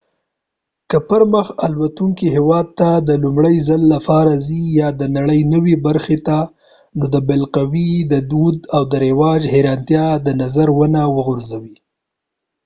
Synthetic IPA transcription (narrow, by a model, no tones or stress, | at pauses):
kəpəɾməxalwat̪uŋkiɦewɑd̪̚t̪ad̪əlumɽəjzalːafɑɾazijɑd̪ənaɽəjnəwebaɾxet̪a | nod̪əbɪlqawid̪əd̪ud̪awd̪əɾɪwɑd͡ʒheɾɑnt̪jɑd̪ənazaɾwənawəɣʊɾzawi